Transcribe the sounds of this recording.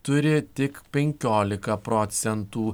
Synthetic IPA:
t̪ʊɾʲɪt̪ʲɪkpʲɛŋʲkʲoːlʲɪkɐpɾɔt̪sʲɛnt̪uː

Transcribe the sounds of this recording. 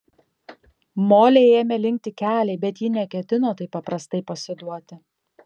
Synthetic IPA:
moːlʲeːeːmʲɛlʲɪŋʲk̚ʲt̪ʲɪkʲæːlʲɛɪbʲɛt̪jɪnʲɛkʲɛt̪ʲɪnoːt̪ɐɪpːɐpɾɐst̪ɐɪpɐsʲɪd̪uɔt̪ʲɪ

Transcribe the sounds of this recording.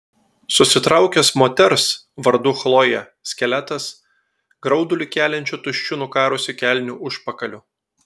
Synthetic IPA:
sʊsʲɪt̪ɾɑʊkʲɛsmoːt̪ʲɛɾs | ʋɐɾd̪ʊxlˠoːjɛ | sʲkʲɛlʲæt̪ɐs | ɡɾɒʊd̪ʊlʲɪkʲæːlʲɛnʲt͡ʃʲut̪ʊʃʲt͡ʃʲʊnʊkɑːɾʊsʲɪkʲæˑlʲnʲʊʔʊʃpɐkɐlʲʊ

